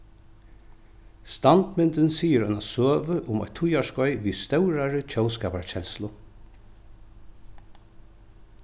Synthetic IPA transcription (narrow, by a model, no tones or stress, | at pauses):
st̪ant̪mɪnt̪ɪnsiːɪɾɔnasøːvəʔʊmɔ̰t̪ʰʊjaʂkɔjʋist̪œwɾaɹɪt͡ɕʰœwskaːpaɹt͡ɕɛlslʊ